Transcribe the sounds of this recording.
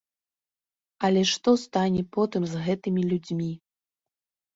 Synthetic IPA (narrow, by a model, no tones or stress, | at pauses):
ɐlʲɛʂt̪ɔst̪anʲɛpɔt̪ɨmzɣɛt̪ɨmʲilʲud͡zʲmʲi